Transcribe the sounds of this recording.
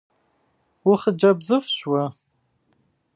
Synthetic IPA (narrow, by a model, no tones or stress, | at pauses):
wʊχəd͡ʒɐbzɨfɕwɐ